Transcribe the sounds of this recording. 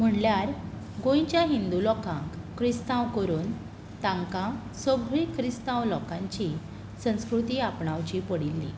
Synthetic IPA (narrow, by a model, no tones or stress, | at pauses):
m̤əɳljaɾ | ɡõjt͡ɕjaɦind̪ulɔkãŋkːɾist̪ãwkəɾuːn | t̪ãŋkã | səɡʱɾikɾist̪ãwlɔkãɲt͡ɕi | sə̃w̃skɾut̪iːapɳaʋt͡ɕipəɽilːḭ